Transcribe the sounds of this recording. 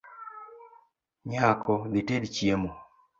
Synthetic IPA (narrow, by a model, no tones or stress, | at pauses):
ɲakɔðitedt͡ʃjemo